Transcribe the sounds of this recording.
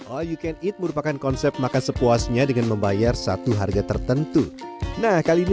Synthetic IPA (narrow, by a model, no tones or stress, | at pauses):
ʔojukɛnit̪̚məɾupakankɔnsɛp̚makansəpuasɲadəŋanməmbajarsa̰t̪uɦarɡat̪ərt̪ənt̪unahkalin